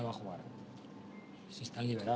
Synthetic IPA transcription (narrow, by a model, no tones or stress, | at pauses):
aβaxuaɾ | sist̪anliβeɾa